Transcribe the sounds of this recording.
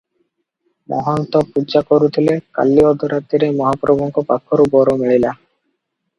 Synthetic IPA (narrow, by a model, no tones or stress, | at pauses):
mʔɔ̰ɦɔnt̪ɔpud͡ʒakoɾut̪ʰileka̰lːiɔd̪ʱuɾat̪ːiɾemɔɦapɾɔbʱɔŋkɔpakʰːɔɾubɔɾomeɭila